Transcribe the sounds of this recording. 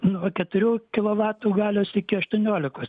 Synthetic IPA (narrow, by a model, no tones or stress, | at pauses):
nuɐkʲɛt̪ʊɾʲuːkʲɪlˠoːʋɑːt̪uːɡɑːlʲoːsɪkʲɪɐʃt̪uɔnʲoːlʲɪkoːs